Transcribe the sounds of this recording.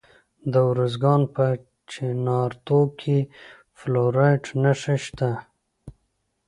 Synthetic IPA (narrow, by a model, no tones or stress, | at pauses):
d̪əwɾuzɡɑnpə | t͡ʃenɑɾt̪okʰe | floɾajʈnaʂaʃt̪a